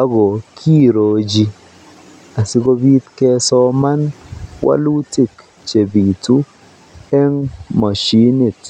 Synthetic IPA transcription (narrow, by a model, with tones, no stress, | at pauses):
a˦ɡo˨kʰi˦ɾo˨d͡ʒi˧ | a˨si˨˦ɡo˦bi˦t̪kɛ˦˧sɔ˦ma˦nwa̰˦lu˦ti˦˨k | t͡ʃe˨bi˨tu˦ | ɛ˦ŋma˨ʃi˦ni˨t